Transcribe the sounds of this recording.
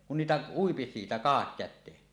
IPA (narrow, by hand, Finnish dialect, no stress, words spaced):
kun niːtæ uipi siːtæ kɑhɑkːætˑeːn